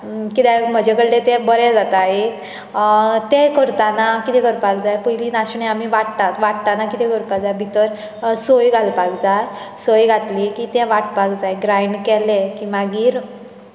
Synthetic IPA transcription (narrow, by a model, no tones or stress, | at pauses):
kit̪ɛm̤əd͡ʑɛkəɽɖet̪ɛ̃bəɾɛd͡zat̪aɦe | t̪ɛ̃kəɾt̪anakit̪ɛkəɾpakd͡zajpəɦiliːnaɕɳẽamiʋaɽt̪at̪ʋaɽt̪anakit̪ɛkəɾpad͡zajbʱit̪əɾ | sojɡʱalpakd͡zaj | sojɡʱat̪likit̪ɛ̃ʋaʈ̚pakd͡zajɡɾajɳɖkɛlẽkĩʋaɡiːɾ